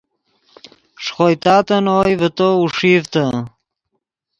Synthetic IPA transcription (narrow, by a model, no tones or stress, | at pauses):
ʂχoːjt̪aːt̪ənoːjvət̪ouʂiːvt̪ə